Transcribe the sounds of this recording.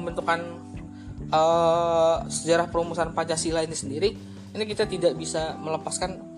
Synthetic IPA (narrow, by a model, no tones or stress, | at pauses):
mbənt̪ukan | ə | səd͡ʒaɾahpəɾumusanpad͡ʒasilainisəndiɾi | inikit̪at̪idakbisamələpaskan